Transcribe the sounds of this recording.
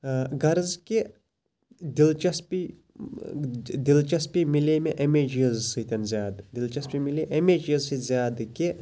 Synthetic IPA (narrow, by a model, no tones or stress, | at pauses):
ɡɐɾzke | d̪ilt͡ʃɐspi | d̪ilt͡ʃɐspimilemeʔɐmeːd͡ʒijɐzsɨt̪ʲɐnzʲjaːd̪d̪ilt͡ʃɐspimileʔemeːd͡ʒjɐzsizʲjaːd̪ke